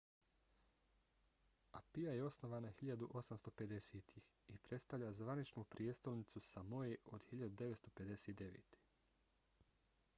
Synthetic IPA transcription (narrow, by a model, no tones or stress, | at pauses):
apijaje̞o̞sno̞ʋaːnaxiʎad̪uʔo̞samst̪o̞pe̞d̪e̞seːt̪ʰix | ipɾe̞t̪st̪aʋʎazʋanit͡ʃnupɾijest̪o̞lnit̪susamo̞jeʔo̞d̪hiʎad̪ud̪e̞ʋetst̪o̞pe̞d̪e̞seːt̪̚d̪e̞ʋḛːt̪ʰe̥